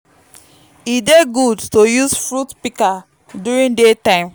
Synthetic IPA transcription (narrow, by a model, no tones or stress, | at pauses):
ideɡudtojusfɹutpika | duɹĩndetãɪ̃m